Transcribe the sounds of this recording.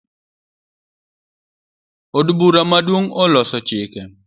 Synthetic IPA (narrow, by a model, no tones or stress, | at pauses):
odbuɾamadwoŋɔlɔsɔt͡ʃɪkɛ